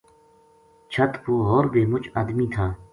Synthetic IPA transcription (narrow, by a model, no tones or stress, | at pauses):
t͡ʃʰət̪puːɦoːɾbʱeːmʊt͡ʃaːd̪miːt̪ʰaː